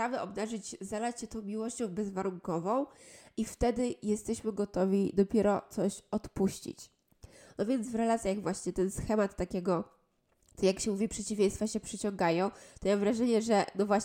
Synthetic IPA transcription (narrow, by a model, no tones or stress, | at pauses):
ɾavɛʔɔbnaʐɘd͡ʑzad̪at͡ɕɕɛt̪ɔ̃w̃mʲiwɔɕt͡ɕɔ̃w̃bɛzvaɾuŋkɔvɔ̃w̃ift̪ɛd̪ɘjɛst̪ɛɕmɘɡɔt̪ɔvʲid̪ɔpʲjɛɾɔt̪sɔɕɔt̪puɕt͡ɕḭt͡ɕ | nɔvʲjɛnd̪zvɾɛlat̪sʲjaɣvwaɕɲɛt̪ɛnsxɛmat̪ːakʲɛɡɔ | t̪jakɕɛmuvʲipʂɛt͡ɕivʲjẽj̃st̪faɕɛpʂɘt͡ɕɔŋɡajɔ̃w̃t̪ɔmamvɾaʐɛɲɛʐɛnɔvwaɕ